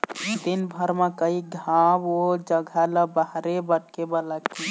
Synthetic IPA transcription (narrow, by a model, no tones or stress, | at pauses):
d̪inbʱəɾmãkəiɡʱabod͡ʒəɡʱaləbaɦɾebəʈ̚kebəlaki